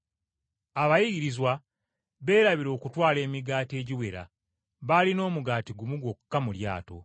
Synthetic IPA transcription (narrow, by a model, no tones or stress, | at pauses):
aβajiɡiɾizwa | βe̞ːɾaβiɾo̞ːkutwaːle̞ːmiɡaːte̞ːɟiwe̞ɾa̰ | βalino̞ːmuɡaːtiɡumuɡo̞kukːamulja̰ːto̞̰